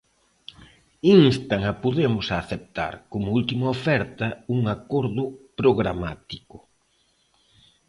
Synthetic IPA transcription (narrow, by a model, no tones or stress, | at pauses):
inst̪aŋɐpoðemʊsaθep̚t̪a̰ɾkomʊult̪imɐofɛɾt̪ɐuŋakoɾðʊpɾoɣɾama̰t̪ikʊ